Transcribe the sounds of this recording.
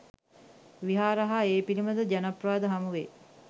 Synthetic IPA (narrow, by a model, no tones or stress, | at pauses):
ʋiɦaːɾəɦaeːpiliməd̪əd͡ʒænapraːd̪əɦamuʋḛː